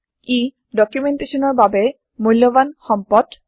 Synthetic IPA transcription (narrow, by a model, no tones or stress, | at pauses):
i | ɖɔkjumenʈeʃɔnɔɹbabe | mulːɔbanxɔmpɔd